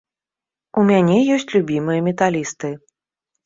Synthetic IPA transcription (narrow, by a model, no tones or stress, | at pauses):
umʲanʲɛjɔsʲt͡sʲlʲubʲimɨjɐmʲɛt̪alʲist̪ɨ